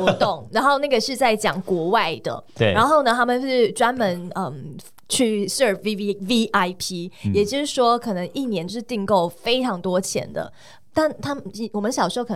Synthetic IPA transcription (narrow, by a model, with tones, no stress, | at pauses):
ɔ˧˥t̪ʊ˥˨˩ŋɻa˧˥nxo˥˧ʊna˥˩ɡə˩ʂɻ̩˥˧t͡sa˥˩ɪt͡ɕjɑ̰˨˩ŋkwɔ˧˥wa˥˩ɪd̪ə̰˩ɻa˧˦nxo˥˩ʊnə˩t̪ʰa˥mə˨n̩˥˩ʈ͡ʂwa˥nmə˧˦nə˧˩m | t͡ɕʰy˥˧sə˥˩fi˥vi˦ʔa˥ɪpʰi˥jɛ˨˩t͡ɕjo˥˧ʊʂɻ̩˥˩ʂwɔ˥kʰɤ˨˩nə˧˦ŋi˥˩njɛ˧˥nt͡ɕo˥˧ʊʂɻ̩˥˧t̪i˥˧ŋko˥˩ʊfe˥ɪʈ͡ʂʰɑ˧˥ŋt̪wɔ˥t͡ɕʰjɛ̰˧˥nd̪ə̰˨ | t̪a˥˩nt̪ʰa˥m˨wɔ˨˩mə˦nɕjɑ˨ʂɻ̩˧˥o˥˩ə˩